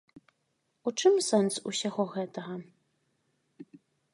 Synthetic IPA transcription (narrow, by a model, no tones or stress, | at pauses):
ut͡ʂɨmsɛnsṵsʲaɣɔɣɛt̪ɐɣɐ